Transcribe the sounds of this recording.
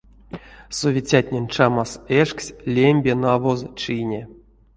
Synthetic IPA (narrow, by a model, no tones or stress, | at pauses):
sovʲet͡sʲat̪ʲnʲenʲt͡ʂamaseʂksʲlʲemʲbʲenavozt͡ʃinʲe